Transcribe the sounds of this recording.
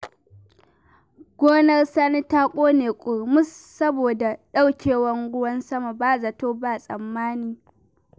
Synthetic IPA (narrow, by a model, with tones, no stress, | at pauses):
ɡ̥ʷoː˦nɐ˦rsaː˦ni˦ta˦kʷʼoː˦neː˨kʷʼʊ˨ɾmʊ˦sːɐ˦boː˨da˨ɗa˦wkʲeː˨wɐ˦ŋɡʊ˦wɐ˦nsɐ˦ma˨baː˦˨za˨toː˦baː˦˨sʼɐ̰˨mːaː˦niː˦